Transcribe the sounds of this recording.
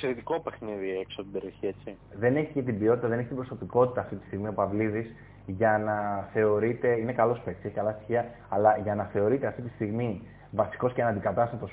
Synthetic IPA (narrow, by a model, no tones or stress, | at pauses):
seɾit̪ikopexniðieksot̪ibeɾioçiet͡si | ðe̞ne̞çice̞t̪ibio̞t̪i̥t̪ɐðe̞neçe̥t̪ibɾoso̞piko̞t̪i̥t̪ɐːft̪it̪i̥st̪iɣmio̞pɐvliðis | ʝɐnɐθe̞o̞ɾit̪e̞ine̞kɐlospe̞kt̪se̞çikɐlɐst̪i̥çiɐ | ɐlɐʝɐnɐθe̞o̞ɾit̪e̞ɐft̪it̪ist̪iɣmi | vɐsi̥ko̞scenɐnd̪ikɐt̪ɐst̪ɐt̪o̞s